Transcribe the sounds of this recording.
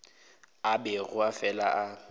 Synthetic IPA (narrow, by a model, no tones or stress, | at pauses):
abɛɣʊafɛla̰ʔa